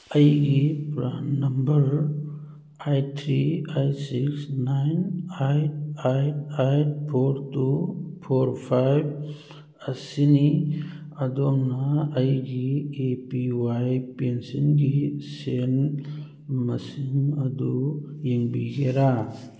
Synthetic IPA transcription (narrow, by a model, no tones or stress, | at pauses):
ɐjɡipɾannɐmbəɾ | ajt̪ʰɾiajsiksnajnajt̚ajtajt̚pʰoɾtupʰoɾpʰajb | əsini | ɐd̪onaɐjɡiepiwajpensinɡisen | mɐsimɐd̪ujiŋbiɡeɾa